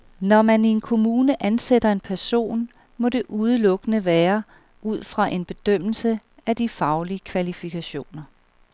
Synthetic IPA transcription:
nɒmænie̝nkʰo̝muːnəʔænsed̥ɐe̝npʰæɐso̝̰ːn | mɒ̽d̥e̝ʔuð̞ˠəlɔ̽ɡ̥ənəʋɛːɐ | ʔuð̞̰ˠfʁɑ̈ʔe̝nb̥e̝d̥øm̰l̩səæd̥ifɑ̈ʊliəkʰʋælifikʰæɕo̝̰ːnɐ

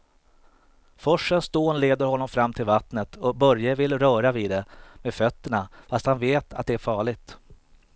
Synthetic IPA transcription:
fɔʂːənsd̪oːnleːd̪əɾhɔnːɔmfɾamːt̪ʰɪlvat̪nət̪ʰɔbœɾjavɪlɾœːɾaviːd̪d̪ɛmeːd̪fœt̪ːəɳafast̪hanveːt̪ʰa̰t̪̚d̪ɛæɾfɑːɭɪɡ̚t̪

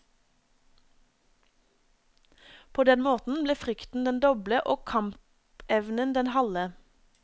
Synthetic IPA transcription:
pʰoːd̪ɛnmoːt̪n̩bleːfʁʏkt̪n̩d̪ɛnd̪ɔbləʔoːkʰɑmp | ɛʋnənd̪ɛnhɑlə

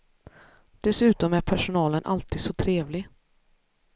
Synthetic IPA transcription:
d̪̥ɛsʉ̟ːt̪ɔmæɾpʰæʂʊnɑːlənʔa̰lt̪ʰiːd̪sɔt̪ʰɾeːvlɪ

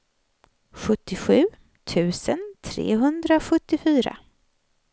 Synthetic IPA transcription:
ɧɵt̪ːɪɧʉ̟ː | t̪ʰʉ̟ːsənt̪ʰɾḛːɦɵnd̪ɾaɧɵt̪ːɪfyːɾa̰

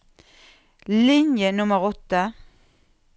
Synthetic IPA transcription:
lɪnjənʊməʁɔt̪ːə

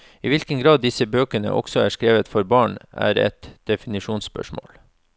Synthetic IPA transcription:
iːʋɪlkəŋɡɾɑːd̪̚d̪ɪsəbøːkəɳə̰ʔɔ̰ɡ̥sɔæːʂkɾeːʋət̪fɔɾbɑːɳæ̰ːɾɛ̰t̪d̪̥ɛfɪnɪʃuːnspœ̰ʂmo̰ːl

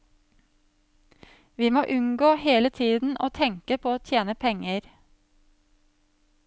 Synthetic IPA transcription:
ʋiːmoːʔʉŋɡoːheːlət̪ʰiːd̪n̩ʔoːt̪ʰɛŋkəpʰoːoːt̪ʰjeːnəpʰɛŋəɾ

